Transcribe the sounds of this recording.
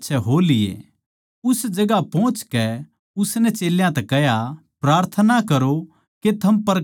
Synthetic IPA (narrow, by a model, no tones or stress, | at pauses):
ʃʰɛɦoːlɪḛ | ʊsd͡ʒɐɡapɔ̃ːt͡ʃkɛ | ʊsnɛt͡ʃeːljãt̪ɛkɛɦjapɾaːɾt̪ʰənakɐɾo | ket̪ʰɐmpɐɾ